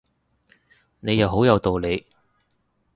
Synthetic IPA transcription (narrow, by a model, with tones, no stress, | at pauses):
ne˨˧jɐ˨˧wɦo˨˥wjɐ˨˧wt̪o˨wle˨˧j